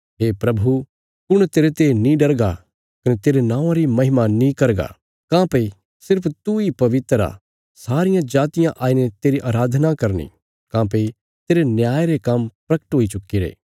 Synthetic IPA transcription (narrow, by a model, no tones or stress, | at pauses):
ɦeːpɾɐbʱu | pʊɽ̃t̪eːɾet̪enĩɖɐɾɡa | kɐnet̪eːɾenãːʋãɾimɐɦɪmanĩkɐɾɡa̰ | kãːpɐi | sɪɾpʰt̪uipɐʋɪt̪ɾa̰ | saːɾɪjãd͡ʒaːt̪ɪjãʔaːinet̪eːɾiʔaːɾaːd̪ʱnakɐɾnḭ | kãːp̬ɐi | t̪eːɾenjaːeɾekɐmpɾɐkə̥ʈɦoːit͡ʃʊkːiɾḛː